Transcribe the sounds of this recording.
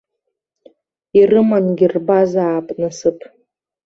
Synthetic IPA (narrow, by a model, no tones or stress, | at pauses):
irɨmanɡʲirbazaːpʼnɨsɨpʰʼ